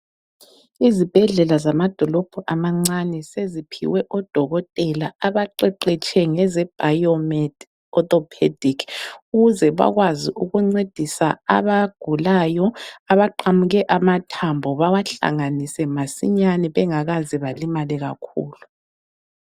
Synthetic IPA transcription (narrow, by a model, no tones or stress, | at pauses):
izib̥ʱɛɮɛlazamad̥ʱɔlɔb̥ʱɔʔamaŋ͡ǀanɛsezipʰḭwɛʔɔd̥ʱɔɣɔtʼɛlaaβaǃɛǃɛt͡ʃʰʼɛŋɛzɛb̥ʱajɔmɛd | ɔtʼɔpʰḛd̥ʱikʰuɣuzɛβa̰ɣwaziʔuɣuŋ͡ǀed̥ʱisaa̰βaɡ̥ʱulajɔaβaǃamuɣɛʔamatʰambʱɔβawaɬa̰ŋanisɛmasḭɲanɛβɛŋaɣaziβalimalɛɣa̰kʰṵːlu